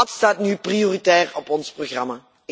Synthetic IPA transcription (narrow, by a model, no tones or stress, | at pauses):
ɑtstaːtnyprijoːritɛːrɔpɔnsproxrɑmaː